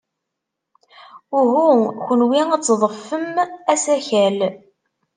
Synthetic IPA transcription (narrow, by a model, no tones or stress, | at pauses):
ʊɦuçənwiæt͡sːðˤəfːəmæsæçæl